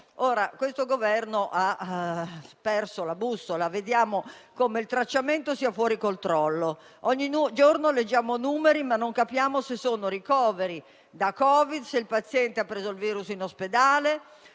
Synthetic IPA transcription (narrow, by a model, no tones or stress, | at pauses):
oːɾakwest̪oɡovɛrnoʔa | pɛrsolabusolaved̪jaːmo | koːmeilt̪ɾat͡ʃːament̪osiːafwɔːɾikolt̪ɾɔlːo | ɔɲːinud͡ʒornoled͡ʒːaːmonuːmeɾimanːoŋkapjaːmosesːoːnoɾikɔːveɾi | d̪akɔːvid̪seilpat̪sːjɛnt̪eapːɾeːzoilviːɾusinosped̪aːle